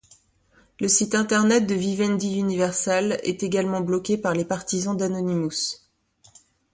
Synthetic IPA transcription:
ləsit̪ɛ̃t̪ɛʁnɛt̪̚d̪əvivɛnd̪iynivɛʁsɛlɛ̰t̪eɡalmɑ̃blɔkʲepaʁlepaʁt̪izɑ̃d̪anɔnimus

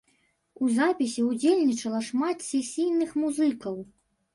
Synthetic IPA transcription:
uzapʲisʲiud͡zʲelʲnʲit͡ʂɐlˠɐʂmat̪sʲɛsʲijnɨxmuzɨkɐw

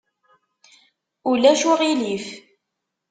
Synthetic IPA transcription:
ulæʃʊʁilif

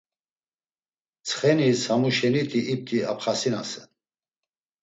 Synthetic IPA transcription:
t͡sʰχɛnishamuʃɛnit̪ʰʼiʔːp̚t̪ʰʼia̰pʰχasinasɛn

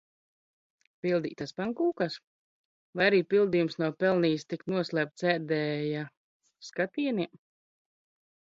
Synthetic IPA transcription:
pilˠd̪ḭːt̪aspaŋkuːkas | vajaɾiːpilˠd̪ijumsnuɔpɛlˠniːst̪ik̪nuɔslʲˠæːp̚t̪sɛːɾd̪ɛːja | skat̪iɛni

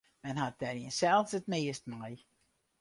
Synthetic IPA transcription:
mɛnhat̚d̥ɛriənsɛlˠfsətmɪːəst̚maj

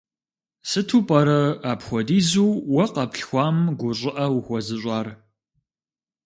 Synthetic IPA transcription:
sɨtʰupʼɐɾɐaːpxʷɔdiːzuːwɐqɐpɬxʷɑːmɡʷʊɕʷʼɪʔɐwxʷɔzɨɕʷʼaːr

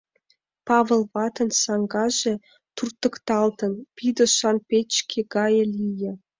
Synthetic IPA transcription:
pɑβə̆lˠβɑt̪ɤ̆nsɑŋɡɑʒĕ | t̪urt̪ɤ̆kt̪ɑlt̪ɤ̆npid̪ŏʃɑnpʲet͡ɕkʰʲeɡɑjɤ̆lʲijĕ

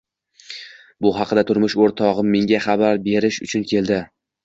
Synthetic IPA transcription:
bʊɦɑqʰɨd̪at̪ʰʊɾmʊʃoɾt̪ʰɒʁɨmːe̞ŋʲaχɑbaɾbe̞ɾɪʃʊt͡ʃʰʊnkʲʰe̞lˠd̪ɪ

